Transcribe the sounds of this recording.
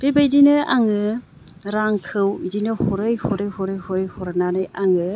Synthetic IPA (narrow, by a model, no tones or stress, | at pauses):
b̥ebajdinɯaŋɯ | ɾaŋkʰɯwidinɯhɔɾɯjhɔɾɯjhɔɾɯjhɔɾɯjhɔɾananɯjʔaŋɯ